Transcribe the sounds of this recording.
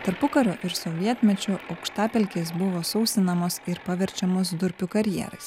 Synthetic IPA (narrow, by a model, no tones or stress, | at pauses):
t̪ɐɾpʊkɐɾʲoʔɪɾsoʋʲiɛt̪ʲmʲɛt͡ʃʲʊʔɐʊkʃt̪ɑːpʲɛlʲkʲeːs̬bʊʋoːsɔʊsʲt̪ʲɪnɐmoːsɪɾpɐʋʲɛɾʲt͡ʃʲɛmoːsd̪ʊɾʲpʲʊːkɐɾʲjɛ̰ɾɐ̰ɪs